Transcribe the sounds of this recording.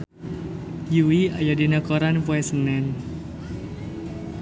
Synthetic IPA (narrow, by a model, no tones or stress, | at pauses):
juia̰jadinakɔɾanpwɛsənɛn